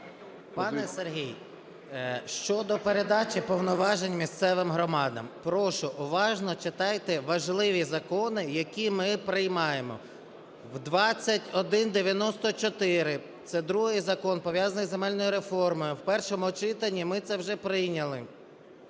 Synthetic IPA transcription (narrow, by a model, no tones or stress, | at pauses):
pɑnɛserɦij | ʃt͡ʃɔd̪ɔpeɾed̪ɑt͡ʃʲɪpɔwnɔʋɑʒenʲmʲist̪sɛʋɪmɦɾɔmɑd̪ɐ̰mpɾɔʃʊʔʊʋɑʒnɔt͡ʃɪt̪ɑjt̪ɛʋɐʒlˠɪʋʲizɐkɔnɪjɐkʲimɪpɾɪjmɑjemɔ̰ | wd̪ʋɑt͡sʲːɐtʲɔd̪ɪnd̪eʋʲjɐnɔst̪ɔt͡ʃɔt̪ɪɾɪ | t̪sɛd̪ɾuɦɪjzɐkɔnpɔʋʲjazɐnɪjzemɛlʲnɔjʊɾefɔrmɔjʊwpɛrʃɔmʊɔt͡ʃɪt̪ɐnʲːimɪt̪sɛwʒɛpɾɪjnʲɐlˠɪ